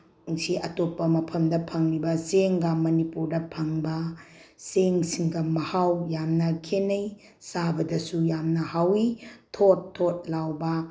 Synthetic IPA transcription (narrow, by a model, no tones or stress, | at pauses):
ŋsiʔɐtopːɐmɐpʰɐmdɐpʰɐŋlibɐseŋɡɐmɐnipuɾdɐpʰɐŋbɐseŋsiŋɡɐmɐhawjamnɐkʰenɐj | sabɐdɐsujamnɐhawitʰotʰːot̚lawbɐ